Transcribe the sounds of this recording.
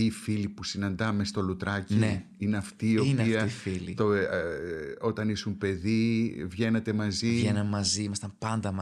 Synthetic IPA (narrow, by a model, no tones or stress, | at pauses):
iːfilipusinɐnd̪ɐme̞st̪o̞lut̪ɾɐcie | ineɐft̪iːo̞pniɐifilit̪o | o̞t̪ɐnisumpe̞ðivʝe̞ne̞t̪e̞mɐzivʝenɐmmɐziimɐst̪ɐmpɐnd̪ɐm